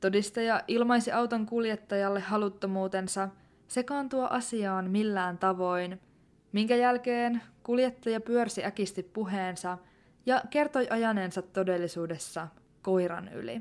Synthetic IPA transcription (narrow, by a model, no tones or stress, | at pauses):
t̪o̞dist̪ɑjɑʔilmɑjsiʔɑwt̪o̞ŋkuljet̪ːɑjɑlːehɦɑlut̪ːo̞muːt̪e̞nsɑ | se̞kɑːnt̪uoʔɑsiɑoːnmilːæːnt̪ɑʋo̞jn | miŋkæjælke̞ːnkuljet̪ːɑjɑpyørsiʔækist̪ippuɦe̞ːnsɑ | jɑke̞rt̪o̞jʔɑjɑne̞ːnsɑt̪ːo̞de̞lːisuːde̞sːɑ | ko̞jɾɑ̰ny̰lḭ